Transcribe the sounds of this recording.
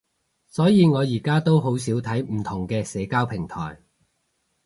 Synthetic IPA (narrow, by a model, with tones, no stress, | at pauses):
sɔː˨˥jiː˨˧ŋɔː˨˧jiː˨˩kaː˥t̪o˥wɦo˨˥wsiː˨˥wt̪ʰɐ˨˥jm̩˨˩t̪ʰʊ˨˩ŋkɛː˧sɛː˨˧kaː˥wpʰɪ˨˩ŋt̪ʰɔ̰ː˨˩j